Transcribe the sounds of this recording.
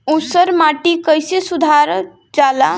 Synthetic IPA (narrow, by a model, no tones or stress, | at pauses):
usəɾmaʈikəjsesud̪ʱaɾ | d͡ʒala